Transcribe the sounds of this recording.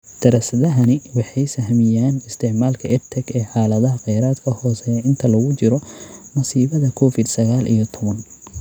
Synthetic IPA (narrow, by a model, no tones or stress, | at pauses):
d̪̥ɐɾɐsɐðɐɦɐnɪwɑħɑjsɐɦmɪjaːnɪst̪ʰɪʕmaːlkʰɐʔɛt̪ʰɛɡɛːħɑːlɐðɐɦɐqɛjɾaːd̪kʰɐhɔːsɛjɛɪnt̪ʰɐlɐɣʊt͡ʃɪɾɔmɐsiːβɐðɐkʰɔːfɪd̪sɐɣaːlʔḭjɔt̪ʰɔβɐn